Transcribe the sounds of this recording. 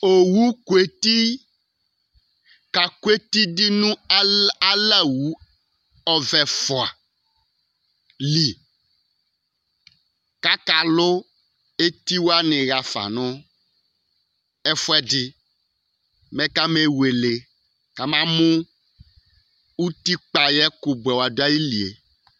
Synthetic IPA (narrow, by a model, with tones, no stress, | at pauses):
o˨wu˦kwe˦t̪i˦ | ka˨kwe˦t̪i˦dɪ˦nũ˦a˦la˦wu˨˦ | ɔ˦vɛ˨fʊ˨a˨ | li˨ | ka˦ka˨lʊ˦ | e˦t̪i˦wo˦a˦nẽ˨ɣa˨fa̰˨nɔ̃˦ | ɛ˦fɔ˦ɛ˦dɪ˦ | mɛ̃˦ka˦me˦we˨le˨ | ka˨mã˦mõ˦ | wu˦t̪i˦k͡pa˨jɛ˦ko˨bɛ˨wo˨a˨do˦a˦ji˦li˨ḛ˨